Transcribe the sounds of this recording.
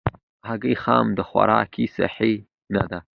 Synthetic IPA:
haɡixɑmd̪əxwa̰ɾɑkʰisa̰ħi | nad̪a

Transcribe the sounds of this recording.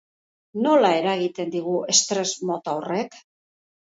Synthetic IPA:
no̞lae̞ɾaɣit̪e̞nd̪iɣ̞ue̞st̪ɾe̞zmo̞t̪awre̞k

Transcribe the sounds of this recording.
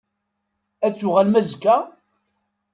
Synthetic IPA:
æt͡sːʊʁælmæzkːæ

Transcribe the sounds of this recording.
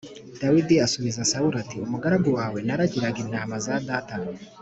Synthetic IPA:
d̥awidiasuβizasauɾatiumuɡaɾaɡuwaːwe̞naɾaɟiɾaɡinaːmazadaːta

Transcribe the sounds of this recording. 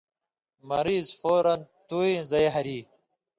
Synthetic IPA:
mɐɾiːzfoːɾɐnt̪uːĩzɐeɦɐɾiː

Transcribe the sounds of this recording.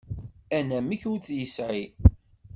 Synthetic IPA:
ænæməçuɾθjəsʕi

